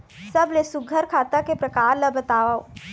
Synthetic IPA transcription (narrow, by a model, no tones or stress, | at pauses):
sɐblesʊɡʱəɾkʰaːt̪akepɾɐkaːɾlɐbɐt̪aːʋao